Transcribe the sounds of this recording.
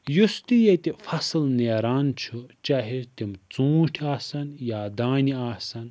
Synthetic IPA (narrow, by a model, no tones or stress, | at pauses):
just̪ijɐt̪ifɐsɨlneːɾaːnt͡ʃʰut͡ʃaːɦit̪imt͡sũːʈʰaːsɐnjaːd̪aːniaːsɐn